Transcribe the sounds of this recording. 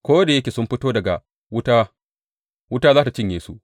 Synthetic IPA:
kʷoː˦da˨jɐ˦kʲeː˨sʊ˦mɸɪ˦toː˦dɐ˨ɡa̰˨ | wʊ˦ta˦ | wʊ˦taː˦zaː˦ta˨t͡ʃɪ˦ɲjeː˨su˦ʔ

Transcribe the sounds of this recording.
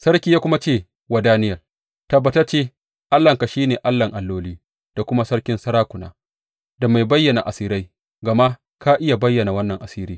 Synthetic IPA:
sɐ˦ɽkʲiː˨˦jaː˦kʷʊ˦ma˦t͡ʃeː˦˨ | wa˨daː˦nɪ˦jɐ˨l | tɐ˨bːɐ˨tɐ˦t͡ʃeː˦ | ʔa˦lːɐ˨ŋka˨ʃiː˦neː˨ʔa˦lːɐ˨ŋʔa˨lːoː˦liː˦ | d̥a˨kʷʊ˦ma˦sɐ˦ɽkʲɪ˦nsɐ˦ɾaː˦kʷʊ˨na̰ː˦ | da˨ma˨jbɐ˦jːɐ˨na˨ʔa˨siː˦ɾa˦j | ɡɐ˨ma˦ | kaː˦ʔɪ˦ja˨bɐ˦jːɐ˨na˨wɐ˦nːɐ˨ŋʔa˨siː˦ɾiː˦

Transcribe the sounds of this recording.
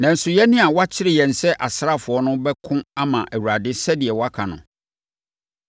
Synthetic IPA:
nã˨n̩˨sʊ˨jɛ˦nɪ̃˦a˨wa˦t͡ɕʰɪ˦ɾɪ˨jɛ˨n̩˨sɛ˦ʔa˨sɾa˦˨fʊ˨ɔ˦nʊ̃˦bɛ˦kʰʊ̃˦a˦mã˨ʔæ˨wu˨ɾa˨dɪ˦sɛ˦dɪ˨ɛ˨wɔ˦a˦kʰã˨nʊ̰̃˨

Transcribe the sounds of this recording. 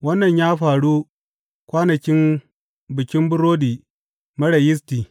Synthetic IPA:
wɐ˦nːɐ˨ɲjaː˦ɸaː˨ɽu˦ | kʷaː˦nɐ˨kʲɪ˦m | bɪ˨kʲɪ˦mbʊ˦ɾoː˦diː˨ | mɐ˦ɽɐ˨jɪ˦s̬tiː˨

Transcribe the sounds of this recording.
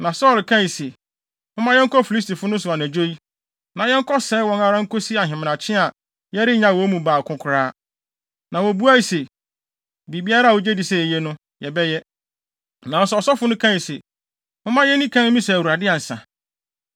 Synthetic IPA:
nã˨sɔː˦˨lkʰã˦i˨se˨ | mʊ̃˦mã˦jɛ˦ŋ̩˦kɔ˦fi˨li˦sti˨fʊ˦nʊ̃˦s̬ʊ˨a˨næ˨d͡ʑo˦i˦ | nã˨jɛ˦ŋ̩˦kʰɔ˦sɛː˦wɔ̃˦ŋa˦ɾã˦ŋ̩˦ko˦si˦a˨ɦɪ̃˨m˨ã˨t͡ɕʰɪ̃˦a˨ | jɛ˦ɾɪ˦ɲã˨˦˨wɔ˨˦mũ˨baː˨kʰʊ̃˨kʷʰʊ˨ɾaː˦ | nã˨wo˨bu˦a˦i˨se˨ | bi˨bi˦a˦ɾa˦˨wo˨d͡ʑe˦di˨sɛ˨ɛ˨jɛ˦nʊ̃˦ | jɛ˨bɛ˦jɛ˦ | nã˨n˦sʊ˦ɔ˨sɔ˦fʊ˦nʊ̃˦kʰã˦i˨se˨ | mʊ̃˦mã˦jɛ˦nĩ˦kʰã˦n̩˦mĩ˦sɛ˨wu˨ɾa˨dɪ˦a˨n̩˨sã̰˨

